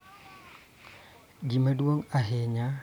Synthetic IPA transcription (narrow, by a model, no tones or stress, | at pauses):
d͡ʒimadwoŋaɦeɲa